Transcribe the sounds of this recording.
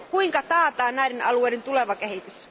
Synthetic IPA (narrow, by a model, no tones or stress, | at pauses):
kuiŋkɑt̪ɑːt̪ɑːnnæˑiɾenɑlueˑːɾent̪uleʋɑkehit̪ys